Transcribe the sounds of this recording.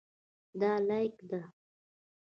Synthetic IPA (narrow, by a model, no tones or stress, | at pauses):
d̪ɑlajkd̪a